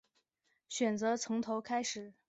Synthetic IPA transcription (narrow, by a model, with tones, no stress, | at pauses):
ɕɥɛ˨˩nt͡sɤ˧˥t͡sʰʊ˧˥ŋt̪ʰo˧˥ʊkʰa˥ɪʂɻ̩˨˩˦